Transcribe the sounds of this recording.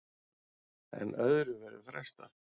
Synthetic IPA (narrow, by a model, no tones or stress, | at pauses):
ɛ̰nœðɾʏvɛɾðɪfɾɛ̰̥st̪a